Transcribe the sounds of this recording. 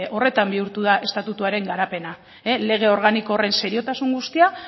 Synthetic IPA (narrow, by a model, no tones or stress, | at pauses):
o̞re̞t̪ambiuɾt̪uðaʔe̞st̪at̪ut̪uaɾe̞ŋɡaɾape̞na | ele̞ɣ̞e̞o̞ɾɣ̞anikoːre̞nse̞ɾio̞t̪asuŋɡust̪ia